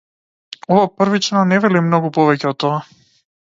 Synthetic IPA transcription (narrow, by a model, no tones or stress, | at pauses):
ɔvapr̩vit͡ʃnɔnɛvɛlimnɔɡupɔvɛcɛɔt̪ːɔa